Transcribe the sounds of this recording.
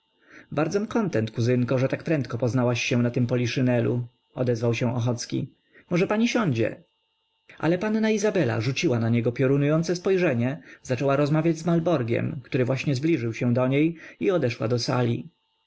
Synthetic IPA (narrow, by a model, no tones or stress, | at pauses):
baɾd̪zɔmkɔnt̪ɛnt̪̚kuzɘŋkɔʐɛt̪akpɾɛnt̪̚kɔpɔznawaɕːɛ̃nat̪ɘmpɔlʲiʂɘnɛlṵ | ɔd̪ɛzvawɕɛ̃ɔxɔt̪skʲḭ | mɔʐɛpaɲiɕɔɲd͡ʑɛ̰ | ʔa̰lɛpanːaizabɛla̰ʐut͡ɕiwanaɲɛɡɔpʲjɔɾunujɔnt̪sɛspɔjʐɛɲɛz̥at͡ʂɛwaɾɔzmavʲjad͡ʑzmalbɔɾɡʲjɛ̰mkt̪uɾɘvwaɕɲɛzblʲiʐɘwɕɛ̃d̪ɔɲejiɔd̪ɛʂwa̰d̪ɔsa̰lʲḭ